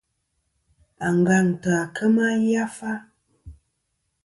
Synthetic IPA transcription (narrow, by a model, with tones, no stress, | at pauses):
a˨ŋ˨ɡa˦˨ŋ˨tə˨a˨kʰə˦ma˦ja˦fa˦